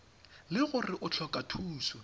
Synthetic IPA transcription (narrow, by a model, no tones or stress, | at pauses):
lɪɣʊrɪʔʊt͡ɬʰɔkʼatʰuːsɔ